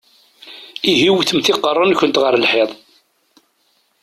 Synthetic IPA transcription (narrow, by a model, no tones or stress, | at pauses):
iɦiwθəmθɪqːərˤːənçʷənt̪ʁəɾlħeðˤ